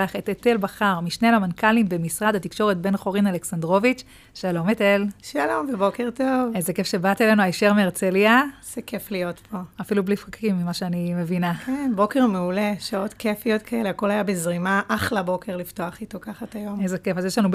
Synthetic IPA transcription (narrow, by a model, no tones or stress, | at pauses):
aχet̪etelbaχaʁmiʃnealamankalimbemisʁadat̪ikʃo̞ʁet̪̚be̞nχoʁinaleksand̪ʁo̞vit͡ʃ | ʃalo̞mete̞lʃalo̞mvebo̞keʁto̞vezeke̞fʃe̞bat̪elenuajʃeʁmeːʁt͡seliaz̥ekeflijo̞tpʰo̞afilublifʁakʰimːimaʃeanimevinakenbo̞keʁmeuleʃaotkefijotkʰaeleako̞lajabezʁimaʔaχlabo̞kʰe̞ʁlifto̞aχitokaχatajo̞mezekefazjeʃlanub